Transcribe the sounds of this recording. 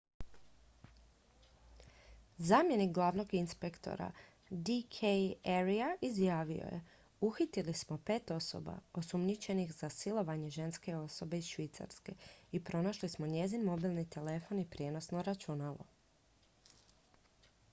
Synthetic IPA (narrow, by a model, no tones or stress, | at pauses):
zaːmje̞nikɡlˠaːʋno̞ɡinspe̞kt̪o̞̰ɾa̰ | d̪ikʰejeɾiaʔizjaːʋio̞̰jḛ | uxit̪ilismo̞pe̞ːt̪o̞so̞̰ba̰o̞sumnit͡ʃe̞nixzasilˠo̞ʋaɲe̞ʒe̞nske̞o̞so̞be̞izʃʋit̪sa̰ɾske̞ipɾo̞naʃlismo̞ɲe̞zinmo̞bilˠnit̪e̞le̞fo̞nipɾjeːno̞sno̞ɾat͡ʃunalo̞̰